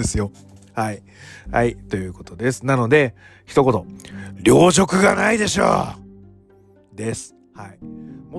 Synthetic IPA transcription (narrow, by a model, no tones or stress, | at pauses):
esɨjo̞ | hai | ha̰it̪o̞jɯ̟ːko̞t̪o̞d̪e̞sɨ̥nano̞d̪e̞ | çi̥t̪o̞ko̞t̪o̞ɾʲo̞ːʑo̞kɯ̟ɡa̰naid̪e̞ɕo̰ː | d̪e̞sɨ̥ | haimo